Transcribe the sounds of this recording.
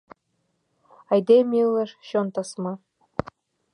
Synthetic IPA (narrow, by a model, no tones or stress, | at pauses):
ɑjd̪emʲilˠːɤʃɕont̪ɑsmɑ